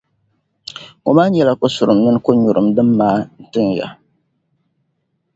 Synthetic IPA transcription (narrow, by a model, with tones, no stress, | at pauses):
o̰˨maː˦ɲɛ˦la˦ko˦sʊ˨ɾɨ˨mnɨ˦n˦ko˦ɲʊ˨ɾɨ˨mdɨ˦mːaː˦n̩˦˨tɨ˦ŋja̰˨